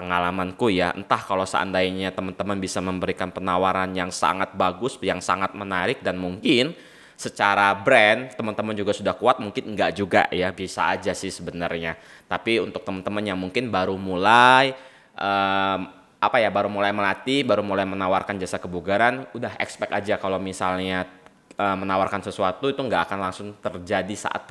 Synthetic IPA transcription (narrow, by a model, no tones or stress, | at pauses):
pəŋalamankujaə̰nt̪ahkalowsa̰ʔa̰ndaiɲat̪əmənt̪əmənbisaməmbəɾikanpənawaɾanjaŋsa̰ŋat̪̚baɡʊsjaŋsa̰ŋat̪̚mənaɾɪk̚danmuŋkɪn | sət͡ʃaɾabɾɛnt̪əmənt̪əmənd͡ʒuɡasudahkuat̪̚muŋkɪnŋɡaʔd͡ʒuɡa̰ʔjabiasa̰ːd͡ʒasɪhsəbənarɲa | t̪apiunt̪ʊk̚t̪əmənt̪əmənjaŋmuŋkɪnbaɾumulaj | ʔəː | ʔapajabaɾumulajməlat̪ibaɾumulajmənawarkand͡ʒasakəbuɡaɾanudaɦɛ̰kspɛkad͡ʒakalowmisalɲa | ʔəːmənawarkansəsuat̪uit̪uŋɡaʔakanlaŋsʊŋt̪ərd͡ʒadisa̰ʔa̰t̪̚